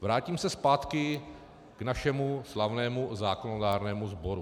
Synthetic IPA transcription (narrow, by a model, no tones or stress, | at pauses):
vɾaːciːmsɛspaːt̪kɪ | ɡ̥naʃɛmuslavnɛːmuzaːkonodaːɾnɛːmuzbo̞ɾu